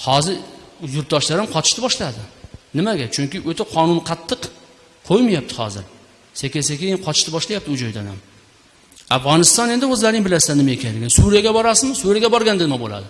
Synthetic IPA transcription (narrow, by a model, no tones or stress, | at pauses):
hɒzɪɾjʊɾt̪̚d̪ɒʃlaɾɪmqʰɒt̪ʰɪ̥ʃt̪ɪbɒʃlad̪ɪnɪmaɡʲat͡ʃʰʊŋkʲɪʔɵt̪ʰaqʰɒnʊnqʰɑt̪ʰːɨq | qʰojmajap̚t̪ʰɪ̥hɒ̰zɪ̰ɾ | sekʲesakʲejɪnqʰɒt̪ʰɪ̥ʃt̪ɪbɒʃlˠajap̚t̪ɪʊd͡ʒɒjd̪a̰nam | afʁɒnɪst̪ɒne̞nd̪ɪɵzlaɾnɪbɪlassanːɪmaekʲʰanlɪɡʲɪnsuɾijaɡʲabɒɾasɪzmɪsuɾijaɡʲabɒɾɡʲand̪ɪnɪmabolˠa̰d̪ɪ